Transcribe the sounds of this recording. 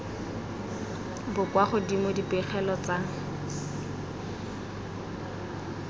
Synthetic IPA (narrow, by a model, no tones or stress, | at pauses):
bʊkwaχʊdimʊdipɛχɛlɔt͡sa